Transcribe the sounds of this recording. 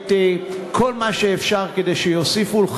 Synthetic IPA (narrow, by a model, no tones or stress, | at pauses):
tekʰolmaʃeːfʃaʁkedejʃejosifulχ